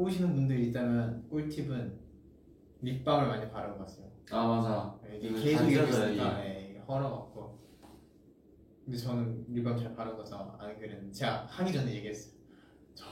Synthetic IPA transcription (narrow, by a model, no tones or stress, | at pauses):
oɕʰinɯnbundɯɾit͈amjʌnk͈oɭtʰibɯn | ɾip͈amɯɭmaɲipaɾɯnɡʌk͈as͈ʰejoamad͡ʑajeɡeke̞sʰoɡiʌsɯɲik͈ajeiehʌɾʌɡak̚k͈o | kɯndet͡ɕʌnɯnɾip̬͈amɯɭt͡ɕaɭpaɾɯnɡʌt͡ɕ͈ʌa̰nɡɯɾenɯdet͡ɕe̞ɡahaŋid͡ʑʌndoiɡes͈ʌjo | t͡ɕʌ